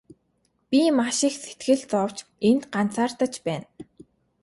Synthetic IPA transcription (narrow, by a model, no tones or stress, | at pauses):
pʲimaʃixse̥t̪ɡɘ̆ɮt͡sɔw̥t͡ɕ | ent̪ɢan̥t͡sʰaːrt̪ə̆t͡ɕpæːn